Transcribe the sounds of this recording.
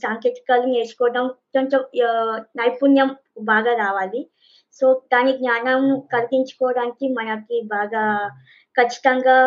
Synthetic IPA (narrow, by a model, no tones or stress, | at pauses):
saːŋkeːʈ̪i̥kaːlune̞ːt͡ʃu̥kɔːɐɖɐmt͡ʃoɲt͡ʃɐ | nɐjpunjɐm | baːɡaːɾaːʋaːli | soːd̪aːniɡɲaːnɐmkɐɾɡiɲt͡ʃu̥kɔːɐɽaːnikimɐnɐkibaːɡaː | kɐt͡ʃːi̥t̪ɐŋɡaː